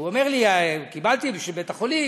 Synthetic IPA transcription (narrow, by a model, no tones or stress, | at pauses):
uomeʁliakibalt̪ibʃebet̪aχoli